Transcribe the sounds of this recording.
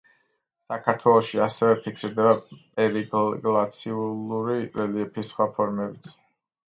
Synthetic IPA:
sakʰaɾt̪ʰwɛlˠɔʃiasɛvɛpʰikʰsiɾd̪ɛbapʼɛɾiɡɡlˠat̪sʰiuluɾiɾɛliɛpʰisχwapʰɔɾmɛbit̪ʰ

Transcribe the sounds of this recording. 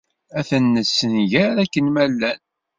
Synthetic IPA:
æθənːəsːənʝæɾækːənmælːæn

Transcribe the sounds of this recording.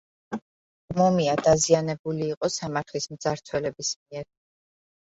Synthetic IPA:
mɔmiad̪azianɛbuliːqʼɔsamaɾt̪ʰlismd̪z̥aɾt̪ʰwɛlɛbismiɛɾ

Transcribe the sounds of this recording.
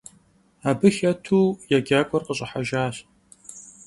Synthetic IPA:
aːbɨxɐtʰuːjaɡʲaːkʷʼɔrqəɕʼɐħaʒaːɕ

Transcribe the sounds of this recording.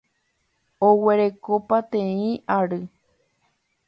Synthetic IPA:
owe̞ɾe̞kopat̪ẽĩaɾɨ

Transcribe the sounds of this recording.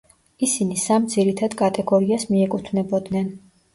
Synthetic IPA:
isinisamd̪ziɾit̪ʰad̪kʼat̪ʼɛɡɔɾiasmiɛkʼut̪ʰnɛbɔd̪nɛn

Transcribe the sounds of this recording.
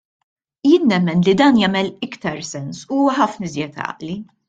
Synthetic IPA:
jɪːnːɛmːɛnlid̪ɐːnjɐːmɛlɪkt̪ɐɾsɛnsuuːwɐħɐfnɪzjɛt̪ɐ̰ʔli

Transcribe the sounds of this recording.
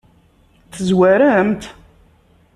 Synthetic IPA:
θəzwæɾæmt̪

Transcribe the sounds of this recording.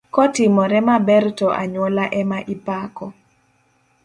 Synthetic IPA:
kɔtɪmɔɾɛmabɛrtɔʔa̰ɲwɔlaʔɛmaʔipakɔ

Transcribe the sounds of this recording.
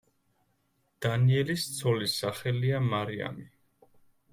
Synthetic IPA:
d̪̥aniɛlist̪sʰɔlisaχɛliamaɾia̰mi

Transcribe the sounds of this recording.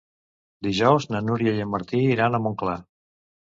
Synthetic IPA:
d̪iʒɔwznənuɾjəjəməɾt̪iiɾanəmoŋkla

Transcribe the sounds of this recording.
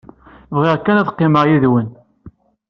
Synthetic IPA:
vʁeʁkːænæðqːɪməʁjiðwən

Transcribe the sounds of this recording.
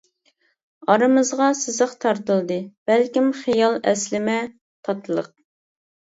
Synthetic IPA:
ɑɾɨmɨzʁɑsɪzəqt̪ʰɑɾt̪ɨlˠd̪ɨb̥ælkʲimχijɑlˠɛ̰slɪmɛ | t̪ʰɑt̪ʰɨlˠə̰q̚

